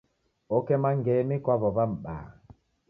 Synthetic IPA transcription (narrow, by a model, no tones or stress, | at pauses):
ɔkɛmaŋɡɛnikwaβɔbam̩ɓa̰ː